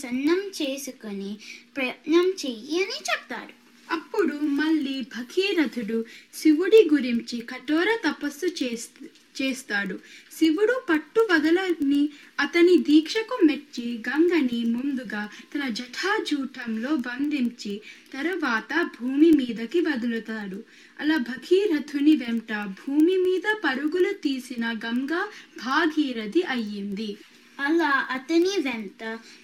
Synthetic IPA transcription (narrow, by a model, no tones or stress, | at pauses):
sɐnːɐmt͡ʃeːsukɐnipɾɐjɐt̪nɐmt͡ʃejiɐnit͡ʃɛp̚t̪a̰ːɽu | ɐpːuɽumɐɭːiːbʱɐkʰiːɾɐd̪ʱuɽusiʋuɽiɡuɾiɲt͡ʃikɐʈɔːɾɐt̪ɐpɐsːu | t͡ʃeːst̪aːɽusiʋuɽupɐʈːuʋɐd̪ɐlɐniɐt̪ɐnid̪iːkʂɐkumet͡ʃːiɡɐŋɡɐnimund̪uɡaːt̪ɐnɐd͡ʒɐʈʰaːd͡ʒuːʈʰɐmlo̞ːʋɐnd̪iɲt͡ʃit̪ɐɾɐʋaːt̪ɐbʱuːmimiːd̪ɐkiʋɐd̪ulut̪aːɽu | ɐ̰laːbʱɐɡiːɾɐt̪ʰuniʋeɳʈɐbʱuːmimiːd̪ɐpɐɾuɡulut̪iːsinɐɡɐŋɡɐbʱaːɡʱiːɾɐd̪iʔɐjːind̪i | ɐlaːʔɐt̪ɐniʋeɳʈɐ